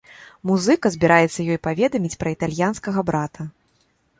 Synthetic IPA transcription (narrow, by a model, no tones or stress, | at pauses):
muzɨkɐzʲbʲiɾʔajɛt̪sːɐjɔjpavʲɛd̪ɐmʲit͡sʲpɾɐit̪alʲjanskɐɣɐbɾat̪ʰɐ